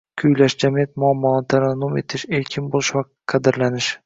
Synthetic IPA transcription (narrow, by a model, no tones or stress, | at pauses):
kʲʰʊjlaʃd͡ʒamijat̪mʊamːɒnɪt̪ʰaɾanːume̞t̪ʰɪʃeɾkʲʰɪnbolˠɪ̥ʃva | qʰɑd̪ɪɾlanɪʃ